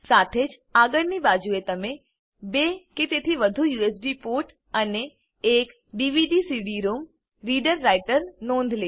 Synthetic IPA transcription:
saːt̪ʰeːd͡ʒ | aːɡəɽnibaːd͡ʒuet̪ɐmẽ | bekɪt̪et̪ʰiʋɐd̪ʱujuːesɖipoːɾʈ | əne | eːk | ɖiːʋiɖisiɖiɾuːm | ɾiːɖəɾːaɪʈəɾnõːnd̪ʱleː

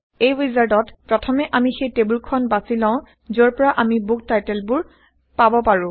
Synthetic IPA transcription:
ejɹizaɹtɔtpɹɔtʰɔmɛʔamixejtebulkʰɔnbasilãʊ̃ | zɔɹpɔɹaʔamibuk̚tajtɛlbʊɹ | pabɔpaɹʊ̃

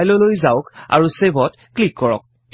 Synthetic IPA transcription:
jlɔlojzaʊka̰ɹusebɔt | klikːɔɹɔ̰k̚

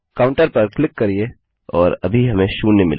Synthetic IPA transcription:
kaːʊ̃ɳʈəɾpɐɾklɪkːɐɾieː | ɔːɾɐ̰bʱiɦɐmẽʃuːnnːemɪ̰l

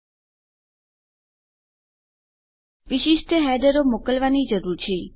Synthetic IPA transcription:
ʋiʃiʃʈʰəɦɛd̪əɾomokəlʋanid͡ʒəɾuɾt͡ʃʰe

